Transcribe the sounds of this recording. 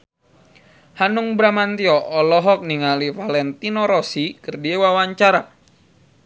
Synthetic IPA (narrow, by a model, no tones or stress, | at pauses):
hanuŋbɾamant̪iɔʔːlɔɦɔk̚niŋalivalɛnt̪inɔɾɔsikɨrdiewawaɲt͡ʃaɾa